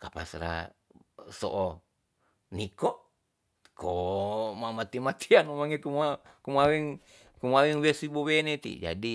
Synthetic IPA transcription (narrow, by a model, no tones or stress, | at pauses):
kapa̰sɾa̰ | so̰ʔː | nikɔʔ | kʰomamat̪imat̪ʰianumaŋekuma | kumawɛŋ | kumawɛŋwesibowenet̪ḭd͡ʒa̰di